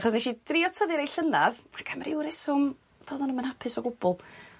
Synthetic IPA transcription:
χɔsneʃid̥riɔtʰəðɪɾejɬənaðakʰamaɾɪwɾɪsʊm | d̥ɔðɔnumanhapʰɪsɔɡʊbʊlˠ

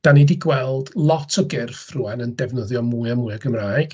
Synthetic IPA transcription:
d̥anidiɡwɛlˠd̥lˠɔtʰɔɡɪrfruɛnəndɛvnəðjɔmuːɨɔmuːɨɔɡəmraːjɡ̥

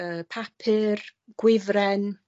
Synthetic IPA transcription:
əːpʰapʰɪrɡ̥wɪvrɛn

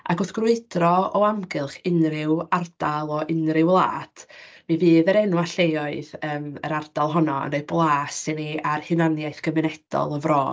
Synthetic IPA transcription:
a̰ɡʊθɡ̥rʊɨdrɔɔamɡɨlˠχɪnrɪward̥alˠɔʔɪnrɪwlˠa̰ːtʰmivɨːðəɾɛnwaɬejɔɨðəːmə̰ɾardalˠɦɔnɔə̰neɨblˠaːsɪniarhɪnanjaɨθɡ̥əmɪnɛd̥ɔ̰lˠəvroː

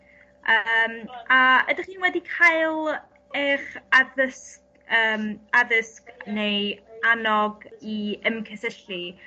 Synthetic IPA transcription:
əmaədaχiːnwɛdikʰaɨlˠ | ɛχaðəsk | əːmaðəskneanɔɡiəmkʰəsəɬi

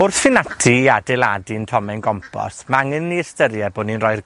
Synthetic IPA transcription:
ʊrθfɪnatʰiadɛlˠadintʰɔmɛnɡɔmpʰɔ̰smaŋənːiəstəɾjɛboːdninrɔjr

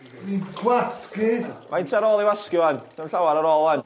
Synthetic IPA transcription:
ninɡwaskɪdmaɪntʰiaɾɔːlˠiwaskjʊantʰamɬawaɾaɾɔːlˠan

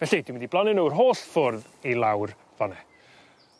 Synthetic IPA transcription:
vɛɬid̥ɪnwɪndiblˠanɪnəwr̥ɦoːɬfʊrð | ilˠawr | vɔnɛ

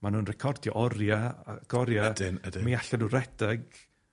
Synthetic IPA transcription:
manuːnrɛkʰɔrdjɔʔɔɾjaa̰ɡ̥ɔɾjadnmiaɬɛnuɾɛd̥ɛɡ

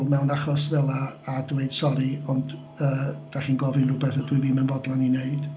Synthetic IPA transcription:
lˠmɛwnaχɔsvɛlˠaːdweɨd̥sɔɾiɔnd | əːd̥aχiːnɡɔvɨnrʊbɛθadwiɨviːmɛnvɔdlˠanineɨd̥

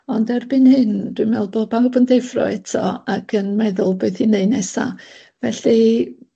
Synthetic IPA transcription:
ɔndɛrbɪnhɨnd̥wimɛlˠboːd̚babəndɛfrɔ̰ɛtʰɔ̰akʰənmɛðʊlˠbeɨθineɨnɛsa̰ | vɛɬi

